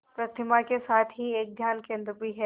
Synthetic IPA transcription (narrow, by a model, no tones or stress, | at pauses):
pɾɐt̪ʰɪmakesaːt̪ʰɦieːk̚d̪ʱjaːnkẽːnd̪ɾəpiɦɛː